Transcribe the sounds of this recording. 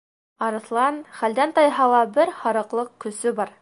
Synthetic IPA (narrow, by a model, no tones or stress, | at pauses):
ɑɾɤ̆θlˠɑnχæld̪ænt̪ɑjɦɑlˠɑbɘɾhɑɾɤ̆qlˠɤqkɵ̆sɵbɑɾ